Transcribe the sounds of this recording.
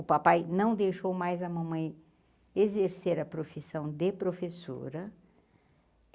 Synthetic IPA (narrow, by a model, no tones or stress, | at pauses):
ʊpapajnɐ̃w̃d̪ejʃowmajzɐmɐ̃mɐ̃j̃ | ezeɾseɾɐpɾofisɐ̃w̃d̪ɪpɾofeso̰ɾɐ